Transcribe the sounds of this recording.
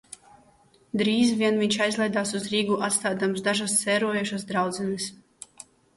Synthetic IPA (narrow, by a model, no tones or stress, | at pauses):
d̪ɾiːzvʲiɛnviɲʲt͡ʃajzlˠɛjd̪aːsuzɾiːɡuʔat̪st̪aːd̪amsd̪aʒast̪sɛːɾuɔjuʃasd̪ɾawd̪zɛnɨs